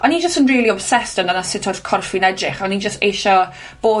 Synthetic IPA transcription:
ɔnid͡ʒəstənriːlˠiɔbsɛstəndanasɪtʰɔθkʰɔrfinɛdrɪχɔnid͡ʒəsteʃɔ | b̥oː

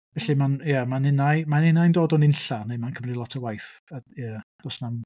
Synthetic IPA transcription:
vɛɬimanjamanɪnajmanɪnajndoːdɔnɪnɬanemankʰəmrilˠɔtʰəwajθajad̥ɔsnan

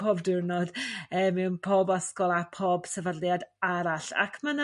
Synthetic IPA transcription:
obdɪrnɔdəːmɛwnpʰoːbaskɔlˠapʰoːb̥səvaljadaɾaɬa̰kʰmana

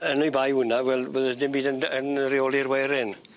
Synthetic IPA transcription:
ənʊjbajwʊnavwɛlˠvəðədɪmbiːdənənrɪɔlˠirwɛɾɪn

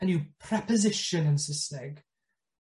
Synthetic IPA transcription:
ə̃njupʰɹ̥ɛpəzɪʃə̃nə̃nsɪsnɛɡ

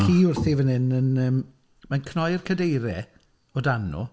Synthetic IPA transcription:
kʰiːʊrθivənhɪnənəːm | mankʰnɔjrkʰədejɾɛ | ɔdanṵ

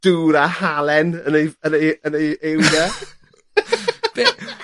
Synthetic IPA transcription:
d̥uːɾahalɛnənejənejənejewda | b

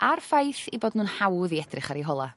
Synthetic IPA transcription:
arfajθiboːdnuːnhawðiɛd̥rɪχaɾiɦɔlˠa

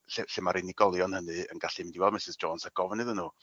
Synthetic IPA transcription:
ɬɪɬɪmaɾɪniɡɔlˠjɔnhənɨə̰nɡaɬɪmdiwɛlˠmɪsɪzd͡ʒoːnsaɡɔvnɨðənuː

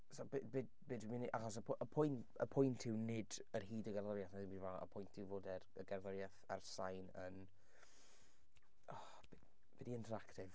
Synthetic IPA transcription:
sɔbebedbeːdwɪmɪniʔaχɔs̬əpʰəpʰʊjn | ə̰pʰʊjntʰɪwnɪdərɦiːdəɡɛrðɔɾjaθnaðɪbiːdvaə̰pʰʊjntʰɪwvoːdɛrəɡɛrðɔɾjaθa̰rsajnən | ɔ | b | b̥ɛdiɪntʰəɾaktɪv

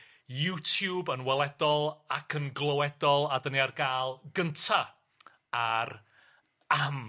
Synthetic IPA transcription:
jutʰjubənwɛlˠɛdɔlˠakʰənɡlˠowɛdɔlˠadəniarɡaːlˠɡəntʰa | ar | am

